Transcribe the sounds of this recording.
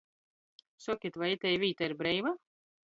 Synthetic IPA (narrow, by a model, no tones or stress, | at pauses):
sɔkʲit̪vajit̪ʲɛjvʲiːt̪iɾbɾɛjva